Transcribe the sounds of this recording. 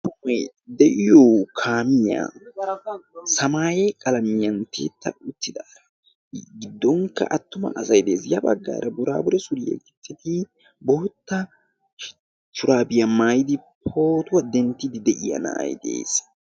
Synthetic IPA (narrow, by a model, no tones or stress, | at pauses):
tʊmɔj | d̪ɛʔɪjoːkʰaːmɪja̰ː | sɐmaːjɛkʼɐlɐmɪjɐnt̪ḛːt̪ːɐʊt̪ːɪd̪aːɾɐ | ɡɪd̪ːɔŋkːɐ̰ʔɐt̪ːʊmɐ̰ʔɐsɐjd̪e̞ːsjɐbɐɡːa̰ːɾɐbʊɾa̰ːbʊɾɛsʊɾɪjɛ̰ɡɪt͡sːɛt̪ɪ | boːt̪ːɐ | t͡ʃːʊɾaːbɪjɐmaːjɪd̪ɪpʰo̞ːt̪ʊwɐd̪ɛnt̪ːɪd̪ɪd̪ɛʔɪjɐ̰na̰ːjd̪ḛːs